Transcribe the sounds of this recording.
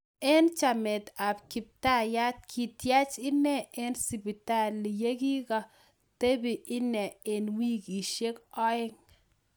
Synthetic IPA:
ɛ˦nt͡ʃa˨mɛ˨t̪a˨bki˨p̚ta˦˨ja˦t̪̚kʰi˨tja˦t͡ʃɪ˦nɛ˦e˦nsi˨pi˨ta˦˨li˨je˦ɡi˦ka˨ | t̪e˦bi˨ʔɪ˦nɛ˨e˨nwi˦ki˨ʃe˦kɔ˦ɪ˦ŋ

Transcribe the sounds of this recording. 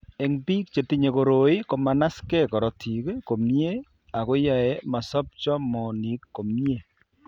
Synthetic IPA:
ɛ˨ŋbi˦kt͡ʃe˨ti˦ɲe˨ko˨ɾoi˦ko˨ma˨na˦skɛ˦kɔ˨ɾɔ˨tʰi˨kko˨mje˦ | a˨ko˦ja˨ɛ˦ma˨sɔ˦p̚t͡ʃɔ˦mɔ˨ni˨˦kːo˨mje˦˨

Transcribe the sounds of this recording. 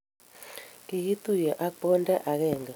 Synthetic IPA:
ki˨ɣi˦t̪u˦˨jɔ˨ʔa˦k͡pɔ˦nda˦ʔa˨ɣɛ˨ŋɡa˨

